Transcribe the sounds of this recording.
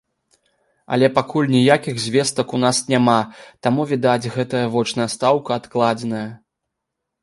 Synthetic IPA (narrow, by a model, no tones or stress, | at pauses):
ɐ̰lʲɛpakulʲnʲijakʲiɣzʲvʲeɛst̪ɐkun̪asnʲamat̪amuvʲid̪ad͡zʲɣɛt̪ɐjɐvɔt͡ʂnɐjɐst̪awkɐːt̪klˠad͡zʲɛnɐjɐ